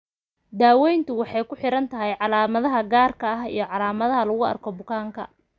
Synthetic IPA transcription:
d̪aːwɛjnt̪ʰʊwɑħɑjkʰʊħɪɾɐnt̪ʰɐɦɛjʕɑlaːmɐðɐɦɐɡaːrkʰɐɐɦijɞʕɑlaːmɐðɐɦɐlɐɣʊɐ̰rkʰɔbʊkʰaːŋkʰɐ̰

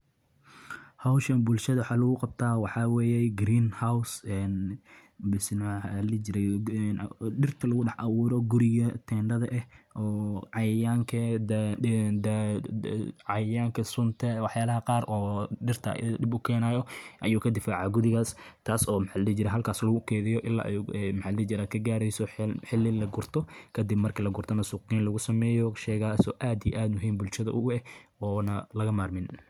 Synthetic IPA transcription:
hawʃɐnbʊlʃɐðɐwħɑːlɐɣʊqɑb̚t̪ʰaːwɑħɑwɛːjɛɡɾiːnhawsɛn | bɪsnɐlɛd͡ʒɪɾɛnɖɪrt̪ʰɐlɐɣʊɖɑħʔɑwuːɾɔɡʊɾɪɣɐt̪ʰɛːɳɖɐðɐʔɛhʔɔːʕɑjjaːŋkʰɐ | d̪ | ʕɑjjaːŋkʰɐsʊnt̪ʰɐwɑħjaːlɐɦɐqɑːɾɔːɖɪrt̪ʰɐ̰ɖɪbʊkʰɛːnaːjɔʔɐjuːkʰɐd̪ɪfaːʕɑɡʊðɪɣaːst̪ʰaːsɔːmħalɐɛt͡ʃɪɾɛɦɐlkʰaːslɐɣʊkʰɛːðɪjɔʔɪlːa̰ːʔɛmħallɛt͡ʃɪɾaːkʰɐɡaːɾɛjsɔħɪlːɪlɐɡʊrt̪ʰɔkʰɐd̪ɪbmɐrkʰɐlɐɡʊrt̪ʰɐnɐsuqiːnlɐɣʊsɐmɛːjɔʃɛːɣaːsɔːʔaːd̪ijʔaːd̪mʊɦiːmbʊlʃɐðɐ̰ʔʊɛɔːnɐlɐɣɐmaːrmɪn

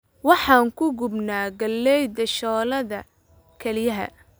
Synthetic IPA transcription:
wɑħɑːŋkʰʊɡʊbnaːɡɐlːɛjd̪ɐʃɔːlɐðɐ | kʰɛlɪjɐɦɐ̰

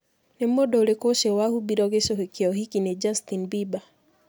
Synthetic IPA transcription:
nem̩odɔolekoʃewahubiɾɔɣeʃoɦekeɔɦikined͡ʒastinbiba

